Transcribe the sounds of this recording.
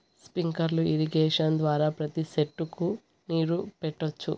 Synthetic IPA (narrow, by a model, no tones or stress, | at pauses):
spiŋkɐɾluiɾiɡeːʂɐnd̪ʋaːɾaːpɾɐt̪iseʈːuku | niːɾupɛʈːot͡ʃːṵ